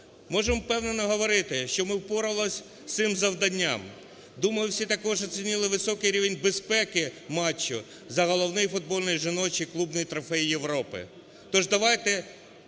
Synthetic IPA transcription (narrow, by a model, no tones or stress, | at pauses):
mɔʒempɛwnɛnɔɦɔʋɔɾɪt̪ɪʃt͡ʃɔmɪwpɔɾɐlˠɔsʲ | t̪sɪmzɐwd̪ɐnʲːam | d̪umɐjʊwsʲit̪ɐkɔʒɔt͡sʲinʲilˠɪʋɪsɔkɪjɾʲiʋenʲbespɛkɪmɑt͡ʃːʊ | zɐɦɔlˠɔwnɪjifʊd̪̚bɔlʲnʊjʒɪnɔt͡ʃiklˠubnɔjt̪ɾɔfɛjijeʋɾɔpɪ̰ | t̪ɔʒd̪ɐʋɑjt̪ɛ